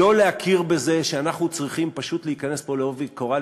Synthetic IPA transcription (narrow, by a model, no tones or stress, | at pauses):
o̞leakʰiʁbe̞ze̞ʃeanaχnut͡sʁiχimpaʃut̪leikane̞spo̞leo̞viko̞ʁa